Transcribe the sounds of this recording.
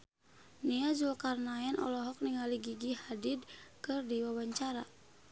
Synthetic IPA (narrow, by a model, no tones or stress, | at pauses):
niazulkarnaɛnʔɔ̰lɔɦɔk̚niŋaliɡiɡihadid̚kɨrdiwawaɲt͡ʃaɾa̰